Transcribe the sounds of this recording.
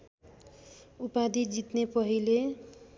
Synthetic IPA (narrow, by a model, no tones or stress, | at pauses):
upad̪ʱid͡zit̪nepʌɦile